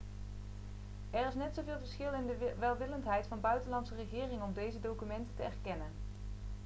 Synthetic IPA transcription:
ɛrɪsnɛtsowvɪːlˠvəɹsχɪlˠɪndəʋɛlˠʋɪləntɦɛjtfɑnbœɥtənlɑntsərəχɪːrɪŋɔmdejzədowkymɛntətəɛɹkɛnən

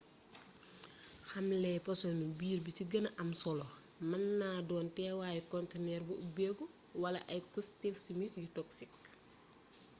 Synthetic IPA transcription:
xɐmlɛjpɐsɔnubiːrbiciɡɐnɐʔɐmsɔlɔ | mɐnːaːdɔːntɛːwaːjɛkɔntenɛːrbubɛːɡu | wɐlɐ̰ʔɐjkustɛfsimikjutɔksik̚

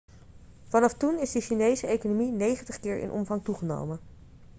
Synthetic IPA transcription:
vɑnɑftunɪzdəʃinejzəejkonominejχəntəχkɪːɹʔɪ̰nʔɔ̰mvɑŋtuχəno̰wmə

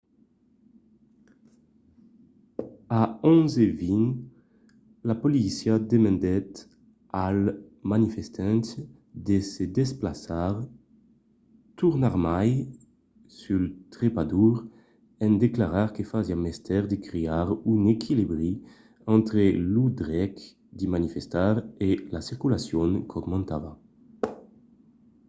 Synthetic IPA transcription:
aɔ̃nzevin | lapolisjad̪emɛ̃nd̪ɛt̪ | almanifest̪ʰɛ̃nt̪ | d̪esed̪esplasaʁ | t̪uʁnaʁmaj | sylt̪ʁepad̪uʁ | ɛnd̪eklaʁaʁkefaziamɛst̪ʰɛʁd̪ekɾeaʁynekʰilibʁi | ɑ̃nt̪ɾelud̪ʁɛk | d̪imanifest̪aʁelasiʁkylasjɔŋkʰɔɡmɑ̃nt̪ava

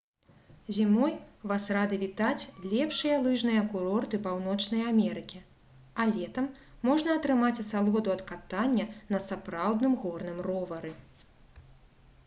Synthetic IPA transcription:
zʲimɔjvasrad̪ɨvʲit̪at͡sʲlʲɛpʂɨjɐlˠɨʐnɨjɐkuɾɔrt̪ɨpawnɔt͡ʂnɐjamʲɛɾɨkʲi | alʲɛt̪ɐmː | ɔʐnɐːt̪ɾɨmat͡sʲsalˠɔd̪uɐt̪kat̪anʲːɐnɐsapɾawd̪nɨmɣɔrnɨmrɔvɐɾɨ

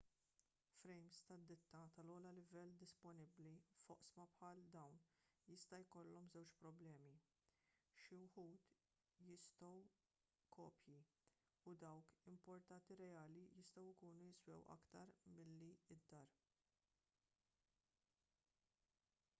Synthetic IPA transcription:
fɾɛjmst̪ɐd̪ːɪt̪ːɐt̪ɐlɔːlɐlɪvɛlːd̪ɪspɔnɪblifɔ̰ʔsmɐpħɐːld̪ɐwnjɪst̪ɐjkɔlːɔmzɛwt͡ʃpɾɔblɛːmi | ʃɪwħuːt̪ | jɪst̪ɔw | kɔːpji | ud̪ɐwkɪmpɔɾt̪ɐnt̪iɾɛjɐːlijɪst̪ɔwɪkuːnujɪswɛ̰wʔɐ̰kt̪ɐɾmɪlːiɪd̪ːɐɾ

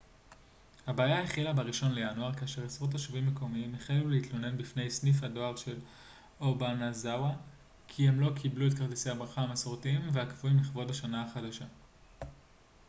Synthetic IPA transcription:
habeaːjaeχilabeʁiʃo̞nlejanuaʁkaːʃe̞ʁesʁot̬aʃivimːeko̞miimeχajevuleitlo̞ne̞nbifne̞jsnifhado̞aʁdʃe̞l | obanazawa | kʰie̞mlo̞kʰibluetkaʁdise̞jabʁaχaamasoʁtiimveakvuimliχvo̞daʃanaaχadaʃa

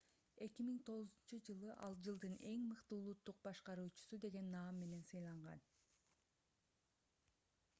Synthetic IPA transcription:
e̞kimiŋt̪ʰo̞ʁʊzunt͡ʃɯd͡ʒɯlˠɯʔɑlˠd͡ʒɯlˠd̪ɯne̞ŋmɯqt̪ɯulˠut̪ːuq̚bɑʃqɑɾuːt͡ʃu̥sud̪e̞ɡe̞nːɑːmːe̞ne̞nsɯjlˠɑɴʁɑ̰n

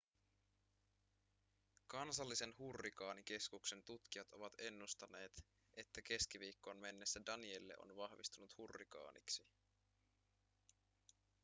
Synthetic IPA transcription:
kɑnsɑlːise̞nhurːikɑːnik̟e̞skukse̞nt̪ut̪kiɑt̪o̞ʋɑt̪e̞nːust̪ɑne̞ːt̪ | ʔe̞t̪ːæke̞sk̟iʋiːkːonme̞nːe̞sːædɑnie̞lːe̞̰ʔo̞̰nʋɑhʋist̪unut̪hurːikɑ̰ːnʔḭksi

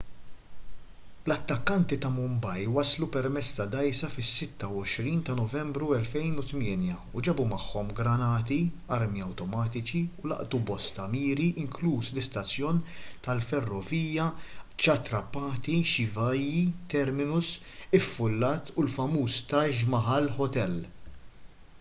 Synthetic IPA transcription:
lɐt̪ːɐkːɐnt̪it̪ɐmʊmbɐjwɐslupɛɾmɛt͡sːt̪ɐd̪ɐjsɐfɪsːɪt̪ːɐwɔʃɾiːnt̪ɐnɔvɛmbɾuɛlfɛjnut̪mɪːnjɐ | ud͡ʒɛbumɐħːɔmɡɾɐnɐːt̪iɐɾmiɐwt̪ɔmɐːt̪ɪt͡ʃiʊlɐ̰ʔt̪ubɔst̪ɐmiːɾiʔɪŋkluːslɪst̪ɐt͡sːjɔːnt̪ɐlfɛrːɔviːjɐt͡ʃɐt̪ɾɐpːɐːt̪iʃɪvɐjːit̪ɛɾmɪnʊs | ɪfːʊlːɐːt̪ulfɐmuːst̪ɐʃmɐħɐlħɔt̪ɛl

